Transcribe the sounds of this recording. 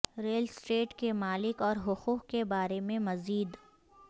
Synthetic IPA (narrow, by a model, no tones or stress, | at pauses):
ɾeːlsʈeːʈkemaːlɪkɔːɾɦʊxuːqkebaːɾemẽmɐziːd̪